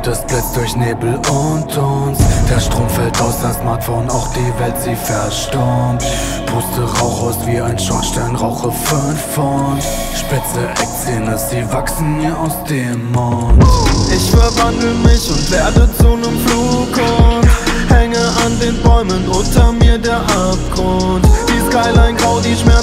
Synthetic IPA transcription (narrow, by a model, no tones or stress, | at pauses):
d̥asb̥lat͡sd̥ʊɐçneːbl̩ʊntz̥ɔnsd̥aɐʃtʁ̥oːmfɛltaʊsasmaɐtfoʊnaʊxd̥iːvɛltz̥iːfɛɐʃtaɔnt | pʰoːstəʁaʊxhaʊsv̥iːaɪnʃaʃtɛlənʁaʊχəfønfːɔn | ʃpɪt͡səʔɛkseːnəsz̥iːvaksn̩miːɐʔaʊsd̥eːmːɔtʔɪçfɛɐvandl̩əmɪçʊntv̥eɐdət͡sunəmfluːkʰɔ | hɛŋəʔandeːnbɔʏmənʔʊntɐmiːɐdeːɐʔap̚ɡ̥ʁʊnntd̥iːskaɪlaɪnɡʁaʊziːʃmɛɐ